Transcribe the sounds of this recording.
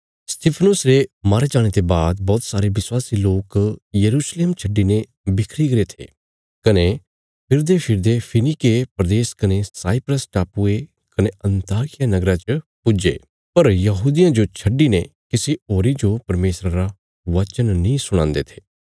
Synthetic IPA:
st̪ɪːpʰənʊsɾemaːɾed͡ʒaːɽ̃et̪ebaːd̪bɔːt̪saːɾeʋɪswaːsiloːkjəɾuːsleːmt͡ʃʰəɖːine | bɪkʰɾiɡɾet̪ʰḛː | kɐne | pʰɪɾd̪epʰɪɾd̪epʰɪnɪkepɾəd̪eːskɐnesaːipɾəsʈaːpue | kɐneɐ̃nt̪aːkɪjanɐɡɾat͡ʃpʊd͡ʒḛː | pɐɾjɐɦuːd̪ijãd͡ʒot͡ʃʰɐɖːinekɪsioːɾid͡ʒopɐɾmeːsɾaɾa | ʋɐt͡ʃənnĩsʊɽ̃ãːnd̪eːt̪ʰe̥ː

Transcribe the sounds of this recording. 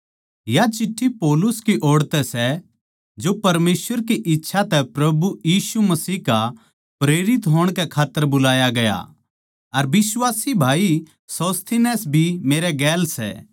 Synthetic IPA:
jat͡ʃɪʈʰːipɔːlʊskiʔoːɽt̪ɛsɛ | d͡ʒopɐɾmeːsʋəɾk̬iʔɪtːʃʰat̪ɛpɾɐbujiːsumɐsiːka | pɾeːɾɪt̪ɦoːɽ̃kɛkʰaːt̪ːəɾbʊlaːjaɡɐja̰ | ɐɾbɪswaːsibʱaːi | sɔːst̪ʰinɛːsbʱimeːɾɛɡɛːlsɛ̰

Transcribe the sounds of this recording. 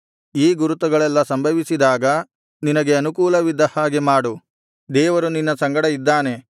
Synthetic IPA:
iːɡuɾut̪ɐɡɐɭɛlːɐsɐmbʱɐʋisid̪aːɡɐ | ninɐɡe̞ɐnukuːlɐʋid̪ːɐhaːɡemaːɽu | d̪ɛːʋɐɾuninːɐsɐŋɡɐɽɐid̪ːaːne̞

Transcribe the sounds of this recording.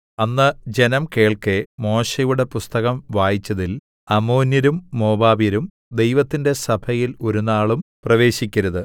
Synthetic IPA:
ɐnːɨd͡ʑe̞nɐmke̞ːɭkemo̞ːɕɐjuɽe̞pust̪ɐɣɐmʋaːjit͡ɕːɐðil | ɐmo̞ːnjɐɾumːo̞ːbaːbjɐɾum | d̪e̞jʋɐt̪ːinde̞sɐbʱʰɐjilo̞ɾunaːɭumprɐʋe̞ːɕikʲːɐɾɐðɨ

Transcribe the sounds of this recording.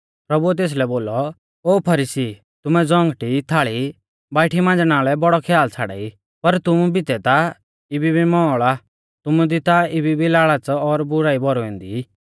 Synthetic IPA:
pɾɐbuɛt̪̬eːs̬lɛboːlɔ | oːpʰɐɾiːsi | t̪ʊmɛd͡zɔ̃ŋɡʈit̪ʰaːɭi | baːɪʈʰimãːnd͡znaːlɛbɔɽɔkʰɛjaːlt͡sʰaɽa̰ːi | pɐɾt̪ʊmubɪt̪ɛt̪a | ɪbibʱimɔ̃ːɭa | t̪ʊmud̪ɪt̪aɪbibʱilaːɭat͡sɔɾbʊɾaːibɔɾɔɛ̃ːnd̪i

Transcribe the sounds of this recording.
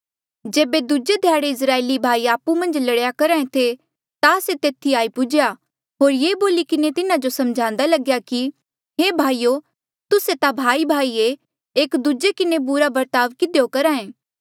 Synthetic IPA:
d͡ʒeːbed̪ud͡ʒed̪ʱjaːɽeɪs̬ɾaːeːlibʱaːiaːpumɐ̃nd͡ʒlɐɽjakɐɾaːẽt̪ʰe | t̪aset̪eːt̪ʰiaːipʊd͡ʒja | ɦoːɾjeːboːlikɪnet̪ɪnad͡ʒosɐ̃md͡ʒʱãːnd̪alɐɡjaki | ɦeːbʱaːiːo | t̪ʊset̪abʱaːibʱaːie | eːkd̪ud͡ʒekɪnebʊɾabɐɾt̪aːʋkɪd̪ejokɐɾaːẽː

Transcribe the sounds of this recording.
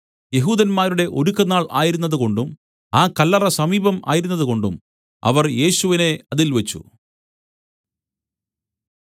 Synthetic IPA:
je̞ɦuːd̪ɐnmaːɾuɽe̞ʔo̞̰ɾukːɐnaːɭa̰ːjiɾunːɐðuko̞ɳɖum | aːkɐlːɐrɐsɐmiːbɐma̰ːjiɾunːɐðuko̞ɳɖum | ɐ̰ʋɐrje̞ːɕuʋine̞ɐðilʋɐt͡ɕːṵ

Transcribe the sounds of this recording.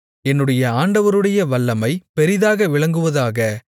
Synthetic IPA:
ɛnːɯɽɐjɐaːɳɖɐʋɐɾɯɽɐjɐʋɐɭːɐmɐɪpɛɾɪðaːɣɐʋɪɭɐŋɡɯʋɐðaːɣɐ

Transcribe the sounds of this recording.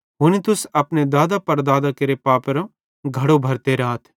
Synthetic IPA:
ɦʊnit̪ʊsɐpned̪aːd̪apɐɾd̪aːd̪akɐɾepaːpɾõ | ɡʱɐɽobʱɐɾt̪eɾaɦt̪ʰ

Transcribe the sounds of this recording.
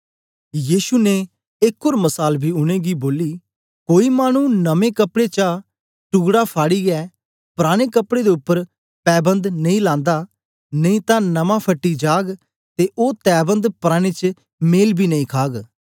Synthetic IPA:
jiːʃuːne | ɪkʰːoːɾməsaːlbʱiːʊɽ̃eːɡiboːliː | koːiːmaːñũnəmẽːkəpɽet͡ʃa | ʈʊɡɽapʰaːɽiːɡɛː | pɾaːɽ̃eːkəpɽeːd̪eːʊpːəɾ | pɛːbə̃nd̪nɐĩːlãːnd̪aː | nəĩːt̪ãːnəmãːpʰəʈːid͡ʒaːɡ | t̪eʔoːt̪ɛːbə̃nd̪pɾaːɽ̃eːt͡ʃ | meːlbʱiːnəĩːkʰaːɡ

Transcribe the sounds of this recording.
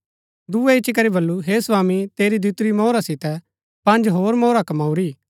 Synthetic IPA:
d̪uɛɪt͡ʃʰik̬ɐɾibɐlːuɦeːsʋaːmit̪eːɾid̪ut̪ɾimɔːɾasɪt̪ɛ | pɐ̃nd͡ʒɦoːɾmɔːɾakɐmaːuɾiː

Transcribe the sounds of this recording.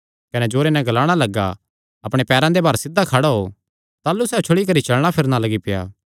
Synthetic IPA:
kɐnɛd͡ʒoːɾenɛ̃ɡɐlaːɽ̃alɐɡːa̰ | ɐpɽ̃epɛːɾãd̪ebʱɐɾsɪd̪ːakʰaɽaɦo | t̪aːlːusɛːt͡ʃʰʊɽik̬ɐɾit͡ʃɐɭɽ̃apʰɪɾnalɐɡipɪja̰ː

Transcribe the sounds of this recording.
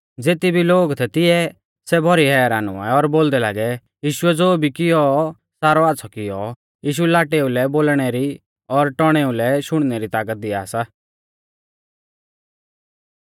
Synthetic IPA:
d͡zeːt̪ibʱiloːɡt̪ʰɛt̪ɪɛ | sɛbʱɔɾiɦɛːɾaːnʊ̰a̰ːɛɔɾboːld̪ɛla̰ːɡɛ | jiːʃʊɛd͡zoːbʱikɪjɔ | saːɾɔaːt̪sʰɔkɪjɔ | jiːʃ̬uɛlaːʈeulɛboːlɽ̃ɛɾi | ɔɾʈɔɽ̃ɛulɛʃʊɽ̃nɛɾit̪aːk̬ət̪̚d̪ɪasa

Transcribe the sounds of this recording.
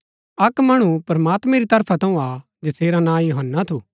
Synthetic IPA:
ɐkmɐɽ̃upɐɾɐmaːt̪mɛ̃ɾit̪ɐɾpʰat̪ɐ̃ũa | d͡ʒɐseːɾanãːjoɦənːat̪ʰuː

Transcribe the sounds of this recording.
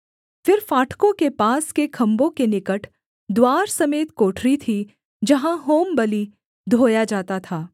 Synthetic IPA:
fɪɾfaːʈʰkõkepaːskekʰɐ̃mbõkenɪkəʈʰ | d̪waːɾsɐmeːt̪koːʈʰɾit̪ʰi | d͡ʒɐɦãɦoːmbɐli | d̪ʱoːjad͡ʒaːt̪at̪ʰaː

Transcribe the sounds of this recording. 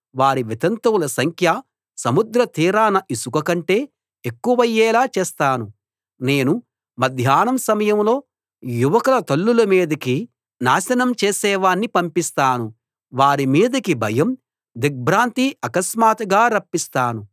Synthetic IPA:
ʋaːɾiʋit̪ɐnt̪ɐwulɐsɐŋkʰjɐ | sɐmud̪ɾɐt̪iːɾaːnɐʔisukɐkɐɳʈe̞ː | ekːuʋɐjːɛːlaːt͡ʃeːst̪aːnu | ne̞ːnu | mɐd̪ʱjaːnɐmsɐmɐjɐmlo̞ː | juʋɐkɐlɐt̪ɐlːulɐmiːd̪ɐki | naːsɐnɐmt͡ʃeːsɛːʋaːnːipɐmpist̪aːnu | ʋaːɾimiːd̪ɐkibʱɐjɐm | d̪ik̚bʱɾaːnt̪iɐkɐsmaːt̪ɡaːɾɐpːist̪aːnu

